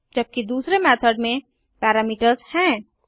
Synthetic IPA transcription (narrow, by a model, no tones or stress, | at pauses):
d͡ʒɐb̚kid̪uːsɾemɛːt̪ʰəɖmẽ | pɛːɾaːmiːʈəɾzhɛ̃ː